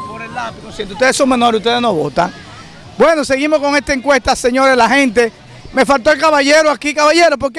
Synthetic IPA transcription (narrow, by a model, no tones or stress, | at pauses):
oɾellapinosjent̪u̥t̪e̞ðesoŋmeno̞ɾesut̪e̞ðenoβot̪a̰ŋ | bwe̞no̞se̞ɣimo̞sko̞ŋe̞st̪aeŋkwe̞st̪ase̞ɲo̞ɾelaɦẽ̞nt̪̬e̞ | me̞falt̪o̞elkaβaʝeɾoakikaβaʝeɾop̬o̞ɾke